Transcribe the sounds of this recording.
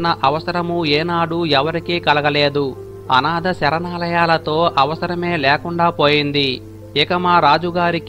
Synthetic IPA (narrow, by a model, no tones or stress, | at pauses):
nɐʔɐʋɐsɐɾɐmueːnaːɽuɛʋɐɾikiːkɐlɐɡɐle̞ːd̪u | ɐ̰naːd̪ɐsɛɾɐnaːlɐjaːlɐt̪o̞ːʔɐʋɐsɐɾɐme̞ːleːkuɳɖaːpo̞ːjind̪i | ɛkɐmaːɾaːd͡ʒuɡaːɾik